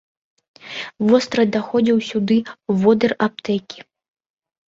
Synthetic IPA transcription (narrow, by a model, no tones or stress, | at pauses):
vɔst̪ɾɐd̪axɔd͡zʲiwsʲud̪ɨvɔd̪ɐrap̚t̪ɛkʲi̥